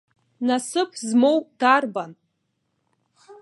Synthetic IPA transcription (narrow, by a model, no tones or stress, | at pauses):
nasɨpʰzmo̞wdarban